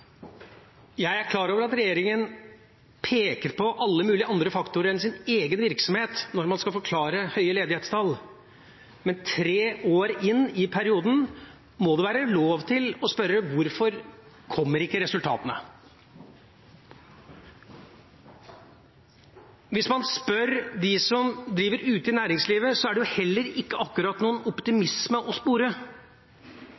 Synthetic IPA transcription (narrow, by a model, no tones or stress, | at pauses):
jæɪæɾkʰlɑːɾoːʋəɾɑt̪ɾɛjeːɾɪŋən | pʰeːkəɾpʰɔʔɑlːəmʉːlɪəʔɑnd̪ɾəfɑkt̪ʊɾəɾɛnsɪneːɡənʋɪɾksɔmheːt̪nɔɾmɑnskɑlfɔɾkʰlɑːɾəhœʏəleːd̪ɪheːt̪st̪ʰɑl | mɛnt̪ʰɾeːʔoːɾɪnːɪpʰæɾɪuːd̪n̩ | mɔd̪ʉʋæːɾəloːʋt̪ʰɪlɔspœɾəʋʊɾfɔɾ | kʰɔmːəɾɪkːəɾɛsʉlt̪ʰɑ̰ːt̪ənə̰ | ʋɪsmɑnspœɾd̪ɪsɔmd̪ɾiːʋəɾʉːt̪ɪnæːɾɪŋsliːʋəsɔæɖɛjʊhɛlːəɾɪkːəʔɑkːʉɾɑt̪nuːənɔpt̪ɪmɪsməʔɔspuːɾə